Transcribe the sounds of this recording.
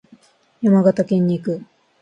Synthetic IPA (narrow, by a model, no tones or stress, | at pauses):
jamaɡat̪akẽ̞ɲ̟ːiːkɯ̟